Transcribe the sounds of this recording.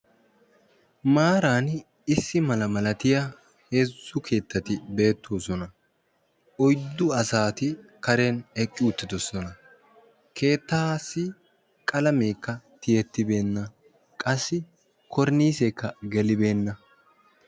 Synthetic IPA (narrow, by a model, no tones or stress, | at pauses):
maːɾaːn | ɪsːɪmɐlɐmɐlɐt̪ɪja | heːzːʊkʰe̞ːt̪ːɐt̪ɪbe̞ːt̪ːoːsɔnɐ | ɔjd̪ːʊɐsaːt̪ɪkɐɾenɛkʼːɪʊt̪ːɪd̪ɔsɔnɐ | kʰe̞ːt̪ːaːsːɪ | kʼɐlɐme̞ːkːɐt̪ɪjɛt̪ːɪbe̞ːnːɐ | kʼɐsːɪ | kɔɾniːseːkːɐɡɛlɪbe̞ːnːɐ